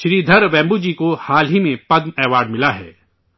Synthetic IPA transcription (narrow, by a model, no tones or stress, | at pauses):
ʃɾiːd̪ʱɐɾʋɛ̃ːmbud͡ʒiːkohaːlɦimẽpɐd̪mɛːʋaːɾɖmɪlaɦɛ̰ː